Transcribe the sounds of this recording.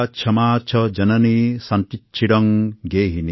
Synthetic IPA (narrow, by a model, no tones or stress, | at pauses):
t͡ʃʰɐmaːt͡ʃʰɔd͡ʒɐnɐnisɐnt̪itːt͡ʃʰiɽɔŋɡeːɦini